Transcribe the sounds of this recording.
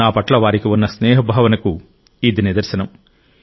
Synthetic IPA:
aːpɐʈlɐʋaːɾikiunːɐsneːɦɐbʱaːʋɐnɐku | iːd̪inid̪ɐɾsɐnɐm

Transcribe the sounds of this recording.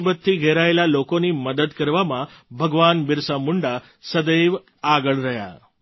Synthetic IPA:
bət̪ʰːiɡʱeɾaelalokoniməd̪əd̪kəɾʋamãbʱəɡʋanbɪɾsamʊɳɖa | səd̪əjʋ | aɡəɭɾəɦja̰

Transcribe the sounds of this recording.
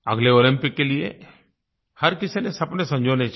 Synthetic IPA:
ɐ̰ɡleoːlɪ̃mpɪkːeliḛ | hɐɾkɪsenesɐpnesɐ̃md͡ʒʱoːnet͡ʃ

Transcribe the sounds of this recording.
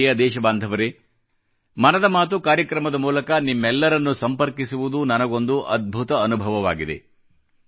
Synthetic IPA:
jɐd̪ɛːʃɐbaːnd̪ʱɐʋɐɾe | mɐnɐd̪ɐmaːt̪̬ukaːɾjɐkɾɐmɐd̪ɐmuːlɐkɐnimːɛlːɐɾɐnːusɐmpɐɾkisiʋud̪unɐnɐɡo̞nd̪uʔɐd̪̚bʱut̪ɐːnubʱɐʋɐʋaːɡid̪e̞̰

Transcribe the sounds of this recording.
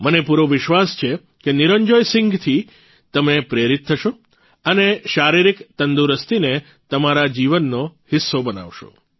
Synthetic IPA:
mənepuɾoʋɪʃʋast͡ʃʰe | keniɾəɲd͡ʒojsɪŋɡt̪ʰi | t̪əmepɾeɾit̪̚ʰːəʃo | əneʃaɾiɾikt̪ənd̪uɾəst̪ine | t̪əmaɾad͡ʒiʋənːohɪsːobəna̰ʋʃo̰

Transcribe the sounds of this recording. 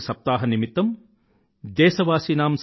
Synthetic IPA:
sɐp̚t̪aːɦɐnimit̪ːɐm | d̪ɛːsɐʋaːsiːnaːms

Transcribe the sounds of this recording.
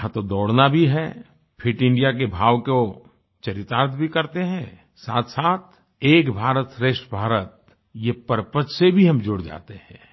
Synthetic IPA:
ɦãt̪od̪ɔːɽnabʱiɦɛ | pʰɪʈɪ̃ɳɖijak̬ebʱaːʋko | t͡ʃɐɾɪt̪aːɾt̪ʰbʱikɐɾt̪eɦɛ̃ː | saːt̪ʰsaːt̪̚ʰ | eːkbʱaːɾət̪sɾeːʃʈbʱaːɾət̪̚ | jepəɾpət͡ʃsebʱiɦɐmd͡ʒoːɽd͡ʒa̰ːt̪eɦɛ̃ː

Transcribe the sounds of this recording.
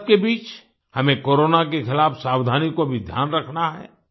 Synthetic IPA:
kebiːt͡ʃ | hɐmẽkoːɾoːnak̬exʰɪlaːfsaːwd̪ʱaːnikobʱid̪ʱja̰ːnɾɐkʰnaɦɛ̰ː

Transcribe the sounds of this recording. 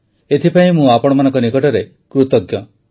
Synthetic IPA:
et̪ʰipaĩmũapɔɽ̃ɔmanɔ̃ŋkɔnikɔʈɔɾe | kɾut̪ɔɡjɔ

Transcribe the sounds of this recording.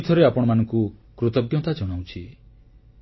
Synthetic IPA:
t̪ʰɔɾeapɔɽ̃ɔmanɔ̃ŋkukɾut̪ɔɡjɔt̪ad͡ʒɔɽ̃aw̃t͡ʃʰi

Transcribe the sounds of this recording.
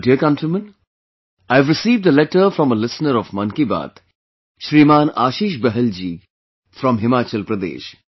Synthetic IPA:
ɖiəkãʊntɾimə̃n | aɪvɾɪsiːʋɖd̪əlɛʈəɾfɾɔ̃məlɪsnəɾɔʋmɐ̃nkiba̰ːt̪ | ʃɾiːmaːnaːʃiːʃ̬bɛɦəld͡ʒiː | fɾɔ̃mɦɪmaːt͡ʃəlpɾəd̪ḛːʃ

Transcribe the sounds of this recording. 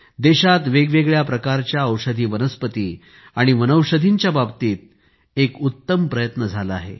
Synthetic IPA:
d̪eɕat̪ʋeɡʋeɡɭjapɾəkaɾt͡ɕjaəwʂəd̪ʱiːʋənəspət̪iː | aɽ̃iʋənəwʂəd̪ʱiɲt͡ɕjababt̪iːt̪̚ | ekut̪ːəmpɾəjət̪nəd͡zʱala̰ɦḛ

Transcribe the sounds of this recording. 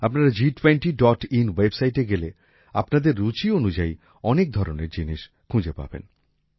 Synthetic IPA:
apnaɾad͡ʑiʈweɳʈiɖɔʈinwebsajʈeɡele | a̰pnad̪eɾːut͡ɕionud͡ʑai | ɔnek̚d̪ʱɔɾoneɾd͡ʑiniʃ | kʰũd͡ʑepa̰bḛn

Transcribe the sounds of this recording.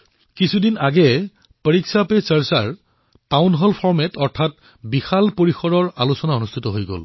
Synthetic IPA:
kisʰudinaɡɛ | pəɹiksapesəɹsaɹ | taʊnɦɔlpʰɔɹmɛtɔɹtʰat̚ | bixalpoɹixɔdɔɹa̰lusɔnaonustʰitɔɦojɡo̰l

